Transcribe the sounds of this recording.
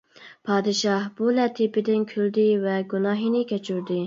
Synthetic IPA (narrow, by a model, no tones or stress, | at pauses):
pʰɑːd̪ɪʃɑhbulɛt̪ʰipɪd̪ɪnkʲʰyld̪ɪvɛɡunɑːɦinɪkʲʰɛt͡ʃʰyɾd̪ɪ